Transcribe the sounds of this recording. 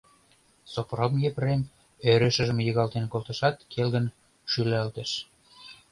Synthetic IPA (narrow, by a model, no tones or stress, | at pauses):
sopromjeprem | øɾɘ̆ʃə̆ʒə̆mjəɣɑlt̪enkolt̪ɤ̆ʃɑt̪kelɣə̆n | ʃylælt̪ĕʃ